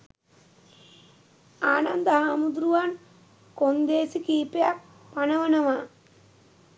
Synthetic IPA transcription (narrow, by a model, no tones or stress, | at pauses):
aːnand̪əɦaːmud̪ɾuʋan | kond̪eːsikiːpejak̚ | panɐʋənɐʋaː